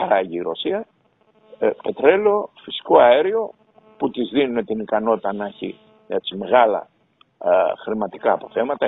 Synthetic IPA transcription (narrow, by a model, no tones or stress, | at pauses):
ɐɾɐʝiːɾo̞siɐ | pe̞t̪ɾe̞lo̞fisi̥ko̞ɐeɾio̞ | put̪izðinune̞t̪inikɐno̞t̪it̪ɐnɐçḭ | et͡sime̞ɣɐlɐ̰ | xɾimɐt̪ikɐːpo̞θe̞mɐt̪ɐ